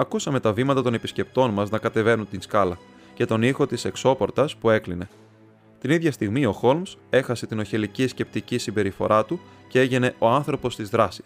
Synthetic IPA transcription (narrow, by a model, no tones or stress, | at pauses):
ɐkusɐme̞t̪ɐvimɐt̪ɐt̪o̞ne̞pisce̞p̚t̪o̞nmɐznɐkɐt̪e̞ve̞nunt̪inskɐlɐ | ce̞t̪o̞nixo̞t̪ise̞kso̞po̞ɾt̪ɐspue̞kline̞ | t̪iniðʝɐst̪iɣmio̞xo̞lmse̞xɐse̞t̪ino̞çe̞licisce̞p̚t̪icisimbe̞ɾifo̞̰ɾɐt̪u | cee̞ʝe̞ne̞ʔo̞ɐnθɾo̞po̞st̪izðɾɐsi̥s